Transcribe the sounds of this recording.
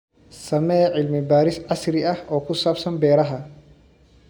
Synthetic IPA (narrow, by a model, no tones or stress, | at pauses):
sɐmɛːʕɪlmɪbaːɾɪsʕɑsɾɪʔɐhʔɔːkʰʊsaːbsɐmbɛːɾɐɦɐ